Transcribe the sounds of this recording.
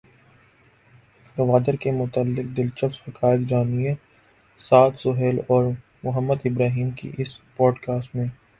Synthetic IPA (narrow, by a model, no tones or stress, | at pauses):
ɡɐʋaːd̪əɾkemʊt̪əlːɪq̚d̪ɪlt͡ʃəfshɐkaːɪkd͡ʒaːnija | saːt̪sʊɦɛːlɔːɾ | mʊɦəmːəd̪ɪbɾaːɦiːmkḭʔɪspɔːɖkaːsʈmẽː